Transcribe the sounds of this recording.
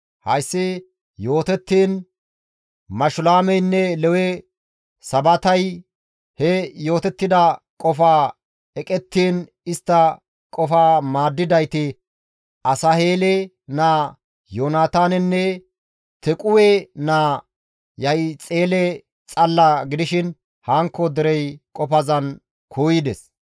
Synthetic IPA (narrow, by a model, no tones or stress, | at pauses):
hɐ̰jsːɪ | jo̞ːt̪ɛt̪ːiːn | mɐʃʊlaːmɛjnːɛlɛwɛ | sɐbɐt̪ɐj | hɛjo̞ːt̪ɛt̪ːɪd̪ɐ | kʼɔfaː | ɛkʼɛt̪ːiːn | ɪst̪ːɐ | kʼɔfaːmaːd̪ːɪd̪ɐjt̪ɪ | ʔɐsɐheːlɛ | naː | joːnaːt̪aːnɛnːɛ | t̪ɛkʼʊwɛnaː | jɐjt͡sʼeːlɛ | t͡sʼɐlːaɡɪd̪ɪʃɪn | haːŋkːɔd̪ɛɾɛjkʼɔfɐzɐn | kʰuːjɪd̪ɛs